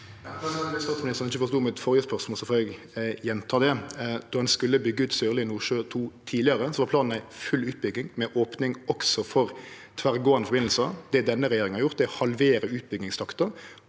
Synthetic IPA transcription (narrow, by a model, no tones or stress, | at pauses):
ɛst̪ɑːt̪smɪnɪst̪əʁnɪçəfɔɾst̪uːmɛɛt̪fɔʁjəspœʁsmɔlsɔfɔːɾɛɡ | jɛnt̪ʰɑːd̪ɛd̪̥ɔd̪ɛnskʉlːəbʏɡːəʉːt̪søːʁlɪɪnuːʂøːt̪ʰuːt̪ʰiːdlɪəɾəsɔʋɑpʰlɑːnn̩æɪfʉlʉːt̪̚bʏɡɪŋmɛʔoːpnɪŋɔksɔfɔɾ | t̪ʰʋæʁɡoːɑnəfɔɾbɪnl̩sɑd̪ɛd̪ɛnːəɾɛjeːɾɪŋn̩ɑʁjʊʁt̪d̪ɛhɑlʋeːɾəʉːt̪̚bʏɡɪŋst̪ʰɑkt̪ɑ